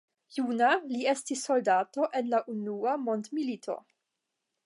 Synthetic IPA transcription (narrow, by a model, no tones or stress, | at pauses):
junalie̞stisːo̞ldato̞ʔe̞nlaʔunuamo̞ndmilitʰo̞̰